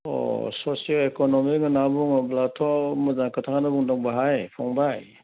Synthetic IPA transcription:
ɔ̰sɔsialekɔnɔmiŋɯnabuŋɔblatʰɔmɯzaŋkʰɯtʰakanɯbuŋdɔŋbaɦajpʰɔŋbaj

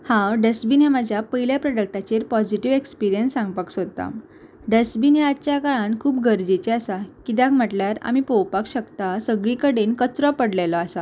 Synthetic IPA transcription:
hãɖəsbinemad͡ʑʱjapəiljapɾɔɖək̚ʈat͡ɕeɾpɔd͡ʑiʈiʋekspiɾijənsːãŋɡpaksot̪a̰ | ɖəsbineatːt͡ɕjakaɭãnkʰuːpɡʱəɾd͡ʑit͡ɕeasakit̪jakm̤əʈljaɾa̰mipowpakɕəkt̪asəɡɭikəɽenkət͡sɾɔpəɽlelɔasa

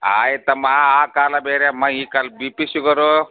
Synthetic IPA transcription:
aːit̪ɐmaaːkaːlabeːɾjamɐ̃ikalbipisuɡəɾo

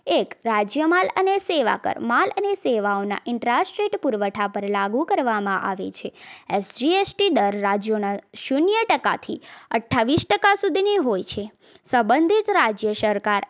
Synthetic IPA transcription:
ekɾad͡ʒjəmaləneseʋa̰kə̰ɾmaləneseʋaona̰ʔɪɳʈɾasʈɾeʈpuɾʋəʈʰapəɾlaɡukəɾʋamãʔa̰ʋḛt͡ʃʰeesd͡ʒiesʈid̪əɾːad͡ʒjonaʃunjəʈəka̰t̪ʰḭəʈʰːaʋisʈəkasud̪ʱiniɦojt͡ʃʰe | səbənd̪ʱit̪ɾad͡ʒjəsəɾkaɾ

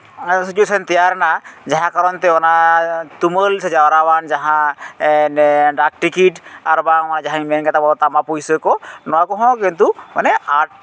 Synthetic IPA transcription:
sit͡ʃuesɔnt̪ijaɾnad͡ʒaɦãkaɾɔnt̪ɛɔnat̪uməlsɛd͡ʒaɾaband͡ʒaɦã | ɖak̚ʈikiʈaɾbamanad͡ʒaɦãmɛnkat̪abɔɔt̪amapujsəkɔnɔakɔɦɔ̃kint̪umanɛaʈ̚

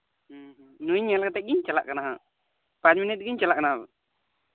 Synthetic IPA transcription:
m | nuɲɛlkat̪ɛc̚ɡiɲt͡ʃala̰ʔkanaɦa | pat͡ʃminit̚ɡiɲt͡ʃalaʔkanaabɛ̰

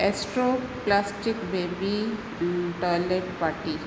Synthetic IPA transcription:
ɛsʈɾoplasʈikbebi | uʈəɾleʈpaɾʈi

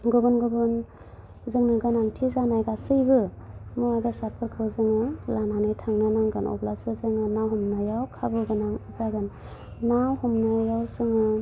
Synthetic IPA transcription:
ɡubɯnɡubɯn | zɯŋnɯɡanaŋtʰizanajɡasɯjbɯ | mɯabasapʰɯɾkʰɯwzɯŋɯlananɯjtʰaŋnɯnaŋɡɯnɔ̰blasɯzɯŋɯnawɦɔmnajawkʰabɯɡɯnaŋɯzaɡɯnː | awhɔmnajawzɯŋɯ

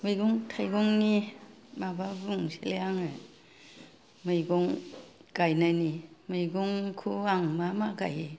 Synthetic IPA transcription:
mɯjɡɔŋtʰajɡɔŋni | mababuŋseleaŋɯ | mɯjɡɔŋɡ̥ajnajnimɯjɡɔŋkʰuaŋmamaɡa̰je

